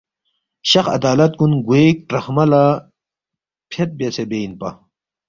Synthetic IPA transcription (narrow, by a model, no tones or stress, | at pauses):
ɕɐxɐ̰d̪aːlɐt̪̚kunɡueːk̚ʈɾɐxmɐla | pʰet̪̚besebeinpɐ̰